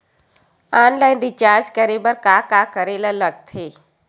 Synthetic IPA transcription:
aːnlaːɪnd̪ɪt͡ʃaːɾd͡ʒkəɾebəɾkakaːkəɾelaləɡ̚t̪ʰeː

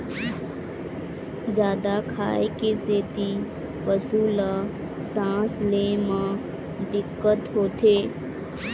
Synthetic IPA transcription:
d͡ʒaːd̪akʰa̰ːekeseːt̪i | pəsuːla | sãːsleːmã | d̪ɪkːət̪ɦoːt̪ʰeː

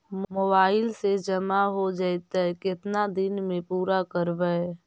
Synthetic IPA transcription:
mmobaːɪlsed͡ʒəmaɦod͡ʒaːɛt̪aɦɛkɪt̪nad̪ɪnmẽpuːɾakəɾbəe

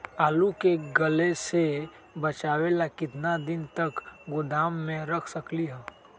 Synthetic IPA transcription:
aːlukeɡɐlese | bɐt͡ʃaːwelakɪt̪nad̪ɪnt̪ɐkɡʊd̪aːmːẽɾɐkʰsəkliɦɛ̃ː

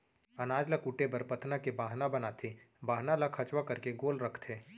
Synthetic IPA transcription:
ɐnaːd͡ʒlakuʈebɐɾpɐt̪ʰnakebaːɦnabɐnat̪ʰi | baːɦnalakʰɐt͡ʃwakɐɾkeɡoːlɾɐkʰt̪ʰeː

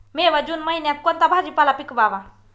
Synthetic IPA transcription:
meʋad͡ʒunməinjat̪̚kont̪abʱad͡ʒipalapikbaʋa

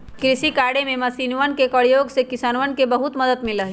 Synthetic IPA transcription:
kɾɪsikaːɽemẽmɐsiːnʋənkekəɽjoːɡsekɪsaːnʋənkebɐɦʊt̪məd̪əd̪mẽləɦe

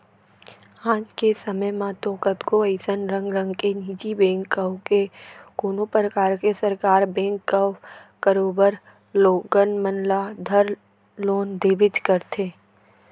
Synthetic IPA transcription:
ãːd͡ʒkesəməjmãt̪ɔːkət̪koəɪsənɾə̃ŋɡɾə̃ŋɡkeniːd͡ʒibẽːŋkːəwkekoːnopɾəkaːɾkesəɾkaːɾbẽːŋkːəkəɾoːbəɾ | loːɡənmənlad̪ʱəɾ | loːnd̪eːbɪd͡ʒ̪kəɾt̪ʰeː

